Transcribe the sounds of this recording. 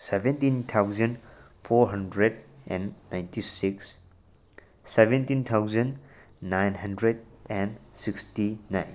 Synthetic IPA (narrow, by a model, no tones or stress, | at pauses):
sebẽntint̪ʰawzən | pʰɔɾɦɐndɾedɛ̃nːajntisiks | sebẽntint̪ʰawzənː | ajnɦɐndɾed̚ɛnsikstinajn